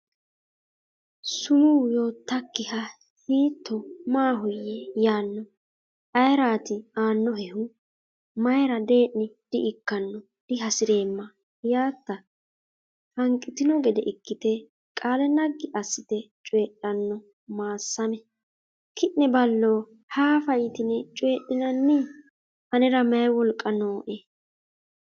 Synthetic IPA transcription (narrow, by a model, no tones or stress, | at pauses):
sʊmuːjo̞ːt̪ːɐkːɪhɐ | hiːt̪ʰːɔmaːɦʊjːɛjaːnːɔ | ɐjɾaːt̪ɪaːnːɔɦɛhʊ | mɐjɾɐd̪e̞ːʔnɪd̪̥ɪʔɪkːɐnːɔ | d̪̥ɪɦɐsɪɾe̞ːmːɐ | jaːt̪ːɐ | fɐŋkʼːɪt̪ɪnɔɡɛd̪ɛ̰ʔɪkːɪt̪ɛ | kʼaːlɛnɐɡːɪʔɐsːɪt̪ɛt͡ʃʼweːɗːɐnːɔ | maːsːɐmɛ | kʰɪʔnɛbɐlːo̞ː | haːfɐjɪt̪ɪnɛt͡ʃʼwe̞ːɗːɪnɐnːɪ | hɐnɛɾɐmɛjwɔlkʼːɐnoːʔe